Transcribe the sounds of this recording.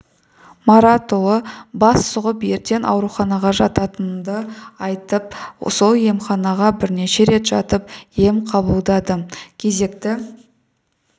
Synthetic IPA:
maɾat̪olˠəbɑsːʊʁəpje̞ɾt̪e̞nʔɑ̰wɾuχɑnɑʁɑʒɑt̪ɑt̪ənd̪əɑjt̪əp̚solˠje̞mχɑnɑʁɑbɪɾne̞ʃe̞ɾe̞t̪ʒ̥ɑt̪əp̚je̞mqʰɑbəlˠd̪ɑd̪əkʲʰe̞ze̞kt̪ɪ

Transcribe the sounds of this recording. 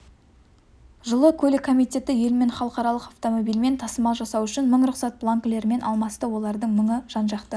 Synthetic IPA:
ʒəlˠəkʲʰɵlɪkʰːo̞mijt̪ʲe̞t̪ɪje̞lme̞ɴχɑlˠəqɑɾɑlˠəqawt̪o̞mo̞bijlme̞nt̪ʰɑsəmɑʒɑsɑwʏʃɪnməɴɾʊqsɑt̪̚blˠaŋkle̞ɾme̞nʔɑlˠmɑst̪əwo̞lˠɑɾd̪əɴməɴəʒ̥ɑnʒɑqt̪ə

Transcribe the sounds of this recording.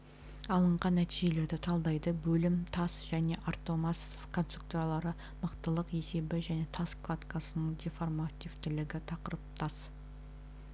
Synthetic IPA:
ɑlˠəɴʁɑnːæt̪iʒe̞le̞ɾd̪ɪt̪ʰɑlˠd̪ɑjd̪əbɵlɪmt̪ʰɑsʒ̥æne̞ʔart̪o̞mɑs | kʰo̞nst̪ɾruk̚t̪uɾalˠɑɾə | məqt̪əlˠəqe̞se̞bɪʒæne̞t̪ʰɑsklˠat̪kasənəɴd̪ʲeformat̪ʲivt̪ɪlɪɡʲɪt̪ʰɑqəɾəp̚t̪ʰɑs

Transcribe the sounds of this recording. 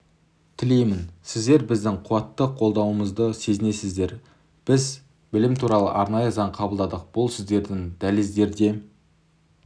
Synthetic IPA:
t̪ʰɪle̞jmɪnsɪzd̪e̞ɾbɪzd̪ɪŋqʰʊwɑt̪ːəqʰo̞lˠd̪ɑwəməzd̪əse̞zɪne̞sɪzd̪e̞ɾ | b̥ɪz | bɪlɪmt̪ʰuɾɑlˠə̰ʔɑɾnɑjəzɑɴqʰɑbəlˠd̪ɑd̪əq̚b̥ʊlˠsɪzd̪e̞ɾd̪ɪŋd̪̥ælɪzd̪e̞ɾd̪e̞

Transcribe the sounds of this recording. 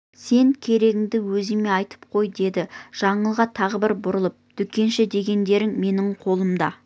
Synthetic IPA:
se̞ŋkʲʰe̞ɾe̞ɡʲɪŋd̪ɪwɵzɪme̞ɑjt̪ə̥p̚qʰo̞jd̪e̞d̪ɪʒ̥ɑɴəlˠʁɑt̪ʰɑʁəbɪɾbʊɾəlˠəp̚d̪̥ʏkʲe̞nʃɪd̪e̞ɡʲe̞nd̪e̞ɾɪŋme̞nɪŋqʰo̞lˠəmd̪ɑ

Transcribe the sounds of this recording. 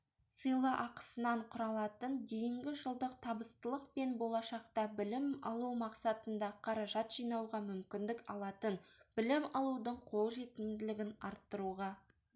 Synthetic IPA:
səjlˠəʔɑqə̥sənɑɴqʰʊɾɑlˠɑt̪ənd̪e̞jɪŋɡʲɪʒəlˠd̪əq̚t̪ʰɑbəst̪əlˠəqpe̞nbo̞lˠɑʃɑqt̪ɑbɪlɪmɑ̰lˠuwmɑqsɑt̪ənd̪ɑqʰɑɾɑʒɑt̪ʒ̥ijnɑwʁɑmʏmkʲɪnd̪ɪkɑlˠɑt̪ənbɪlɪmɑlˠud̪əɴqʰo̞lˠʒe̞t̪ɪmd̪ɪlɪɡʲɪnɑ̰ɾt̪ːəɾuʁɑ

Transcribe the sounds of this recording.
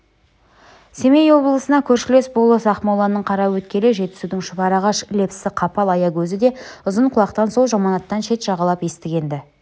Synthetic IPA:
se̞me̞jwo̞blˠəsənɑkʲʰɵɾʃɪle̞sbolˠəsɑχmɑwlˠɑnːəɴqʰɑɾɑwɵt̪kʲe̞lɪʒe̞t̪ːɪ̥sud̪ɪŋʃʊbɑɾɑʁɑʃle̞psɪqʰɑpɑlˠɑjɑkʲʰɵzɪd̪e̞ʊzəɴqʰʊlˠɑqt̪ɑnso̞w̪ˠʒɑmɑnɑt̪ːɑnʃe̞t̪ʒ̥ɑʁɑlˠɑpje̞st̪ɪɡʲe̞nd̪ɪ

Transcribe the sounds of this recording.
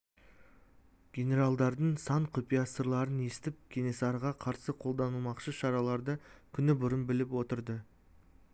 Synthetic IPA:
ɡʲe̞ne̞ɾalˠd̪ɑɾd̪əɴsɑɴqʰʊpijasəɾlˠɑɾəne̞st̪ɪp̚kʲʰe̞ne̞sɑɾʁɑqʰɑɾsəqʰo̞lˠd̪ɑnəlˠmɑqʃəʃɑɾɑlˠɑɾd̪əkʲʰʏnɪbʊɾəmbɪlɪpwo̞t̪əɾd̪ə

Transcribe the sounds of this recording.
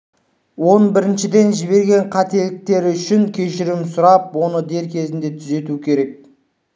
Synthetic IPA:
wo̞nbɪɾɪnʃɪd̪e̞nʒɪβe̞ɾɡʲe̞ɴqʰɑt̪e̞lɪk̚t̪e̞ɾɪʏʃɪŋkʲʰe̞ʃɪɾɪmsʊɾɑp̚wo̞nəd̪e̞ɾkʲʰe̞zɪnd̪e̞t̪ʰʏze̞t̪uɪkʲʰe̞ɾe̞k̚

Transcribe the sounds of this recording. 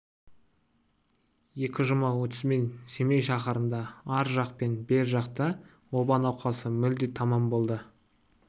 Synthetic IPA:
je̞kʲɪʒʊmɑwɵt̪ʏzme̞nse̞mejʃɑχɑɾənd̪ɑɑɾʒɑq̚pe̞nbe̞ɾʒɑqt̪ə | wo̞bɑnɑwqʰɑsəmʏld̪et̪ʰɑmɑmbo̞lˠd̪ə

